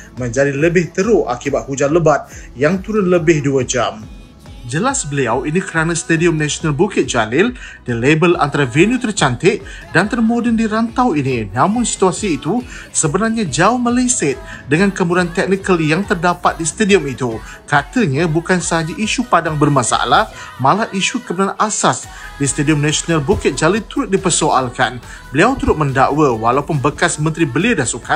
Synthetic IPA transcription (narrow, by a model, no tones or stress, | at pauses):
mə̃ɲd͡ʒadiləbɪht̪əɾʊa̰kibat̪̚hud͡ʒanləbat̪̚jaŋt̪uɾʊnləbɪhduəd͡ʒam | d͡ʒəlasbəliawinikəɾanãsə̥t̪ədiɔmnasonalbukɪt̪̚d͡ʒalɪl | d̥ilebəla̰nt̪aɾavenjut̪ərt͡ʃant̪ɪʔ | dant̪ərmodəndiɾant̪awininãmʊnsi̥t̪uasiːt̪u | səbənarɲad͡ʒaʊhmələjsɪt̪̚dəŋankəmuɾant̪ɛk̚nikəljaŋt̪ərdapat̪̚disə̥t̪adiɔmit̪u | kat̪əɲãbukansəɦad͡ʒaʔiʃupadaŋbərmãsa̰a̰lahmãlaʔiʃukəbənanasas | disə̥t̪adiɔmnasonalbukɪt̪̚d͡ʒalɪnt̪uɾʊt̪̚dipərsoʔa̰lkan | bəliawt̪uɾʊt̪̚məndaʔwəwa̰laupʊnbəkasmənt̪ɾibəliadahsuka